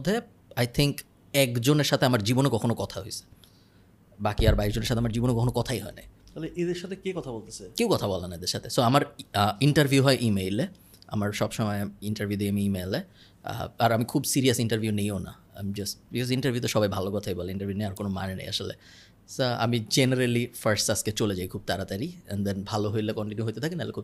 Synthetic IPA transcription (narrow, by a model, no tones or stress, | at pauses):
d̪ʱe | ajt̪ʰiŋk | ɛkd͡ʑoneɾʃat̪ʰeamaɾd͡ʑibonekɔkʰonokɔt̪ʰaɦojsʰe̥ | bakiaɾbaiʃd͡ʑoneɾʃat̪ʰeamaɾd͡ʑibonekɔkʰonokɔt̪ʰajɦɔena̰j̪ɔɦleʔed̪eɾʃat̪ʰekekɔt̪ʰabolt̪esʰekewkɔt̪ʰabɔlenːaed̪eɾʃat̪ʰesoamaɾiɳʈaɾbʱjuɦɔeʔimejle | a̰maɾʃɔbʃɔmɔeiɳʈɐɾvʱiud̪iamiimelḛ | aɾamikʰubsiɾiasiɳʈaɾvʱjunejona̰ | a̰mid͡ʑastbikɔsiɳʈɐɾvʱjut̪̬eʃɔbajbʱalokɔt̪ʰajbɔleiɳʈɐɾvʱiunejaɾkonoma̰nenḛja̰ʃolḛ | soa̰mid͡ʑeneɾelifaɾsʈasket͡ɕoled͡ʑajkʰub̚t̪aɾat̪aɾiɛ̰nd̪enbʱaloɦojlekɔɳʈinjuɦojt̪et̪ʰakenalekʰub